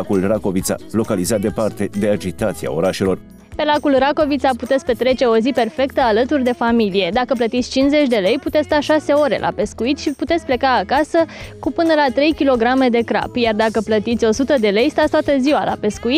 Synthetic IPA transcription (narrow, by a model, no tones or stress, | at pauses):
akulrako̞vit̪sa̰lo̞kalizat̪̚d̪e̞part̪e̞d̪e̞ad͡ʒit̪at̪sia̰o̞ɾaʃe̞lo̞r | pe̞lakulrako̞vit̪saput̪e̞t̪sʲpe̞t̪ɾe̞t͡ʃe̞o̞zipe̞rfe̞kt̪əalət̪urd̪e̞familije̞d̪akəp̬lət̪it̪sʲt͡ʃinze̞t͡ʃʲd̪e̞lejput̪esst̪aʃase̞o̞ɾe̞̰lʔa̰pe̞skuit̪ʃiput̪e̞t̪sʲple̞kaːkasəkupɨnəlat̪ɾe̞jkʲilo̞ɡɾame̞d̪e̞kɾa̰pjard̪akəplət̪it̪sʲo̞sut̪əd̪e̞le̞jst̪atst̪wat̪əziwala̰pe̞skuit̪